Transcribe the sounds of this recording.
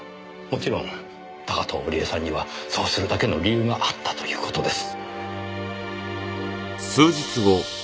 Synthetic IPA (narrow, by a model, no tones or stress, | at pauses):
mo̞t͡ɕiɾõ̞n | t̪akat̪ʰo̰ːoɾʲiesãɲ̟ːiβaso̞ːsɨɾɯ̟d̪ake̞no̞ɾʲijɯ̟ːɡaʔat̪ːḁt̪o̞jɯ̟̰ːko̞̥t̪o̞d̪e̞sɨ̥ | sɨːd͡ʑit͡sɨo